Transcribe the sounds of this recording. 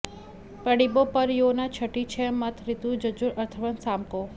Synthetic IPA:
pəɽibopəɾjonat͡ʃʰəʈit͡ʃʰemət̪ʰɾɪt̪ud͡ʒəd͡ʒuɾəɾt̪ʰəʋənsaːmko

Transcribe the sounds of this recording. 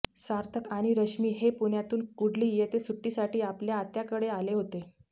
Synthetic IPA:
saɾt̪ʰəkaɽ̃iɾəɕmiːɦepuɳjat̪uːnkuɽliːjet̪esuʈːiːsaʈiːapljaːt̪jakəɽealeɦot̪e

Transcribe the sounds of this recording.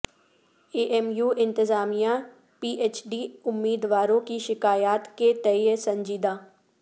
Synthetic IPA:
eːʔɛmjuːʔɪ̃nt̪ɪzaːmija | piːʔeːt͡ʃɖiʊmːiːd̪ʋaːɾõkiʃɪkaːjaːt̪ket̪ɛjəsɐ̃ɲd͡ʒiːd̪aː

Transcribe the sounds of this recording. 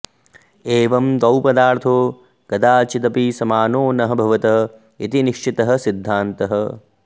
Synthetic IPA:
eːʋɐmd̪ɐwpɐd̪aːɾt̪ʰoː | kɐd̪aːt͡ʃit̪ɐpisɐmaːnoːnɐɦɐbʱɐʋɐt̪ɐɦɐ | it̪iniʃt͡ʃit̪ɐɦɐ̆sid̪ʱːaːnt̪ɐɦɐ

